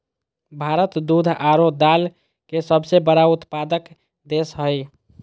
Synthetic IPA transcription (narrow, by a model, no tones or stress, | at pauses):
bʱaɾət̪d̪ud̪ʱaɾod̪al | kesəbsebəɾaut̪pad̪ək | d̪esɦəj